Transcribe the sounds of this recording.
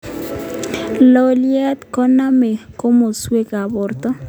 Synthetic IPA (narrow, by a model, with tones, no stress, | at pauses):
lo˦ljɛ˦t̪kɔ˦na˦me˨ko˦mo˨swe˦ka˨bɔ˨rt̪ɔ˦